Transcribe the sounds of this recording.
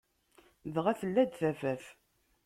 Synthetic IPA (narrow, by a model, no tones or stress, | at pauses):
ðʁæθəlːæd̪θæfæf